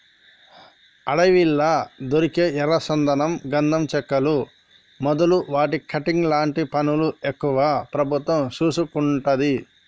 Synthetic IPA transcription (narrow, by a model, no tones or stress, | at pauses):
ɐɽɐʋilːɐd̪oɾikeːɛɾɐsɐnd̪ɐnɐmɡɐnd̪ʱɐmt͡ʃɛkːɐlu | mɔd̪ɐluʋaːʈikʰɐʈiŋɡlaːɳʈipɐnuluekːuʋaːpɾɐbʱut̪ʋɐmt͡ʃuːsukuɳʈɐd̪i